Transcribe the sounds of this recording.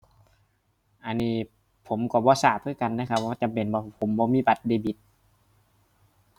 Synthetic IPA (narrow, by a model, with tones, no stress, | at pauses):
ʔa˧˨nːiː˧˩ | pʰo˨˦mkɔː˧˩bɔː˧˦saː˧˩p̚ʰɯ˧˥˨ka˧˨nːaː˧˨kʰa˧p̚ɔː˧˩˨t͡ɕa˨˦mpe˨nbɔː˧pʰo˨˦mbɔː˧˦miː˧˥˨ba˧˦t̪̚deː˧˨bi˧˦t̪̚